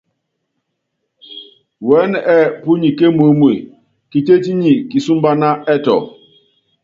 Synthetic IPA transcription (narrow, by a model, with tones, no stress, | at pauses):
wɛ˨˦nɛ˦˨pu˦ɲi˨ke˦m˨o˦mwḛ˨ | ki˨te˦ti˦ɲi˨ki˨su˦mba˦na˦ɛ˦tɔ̰˨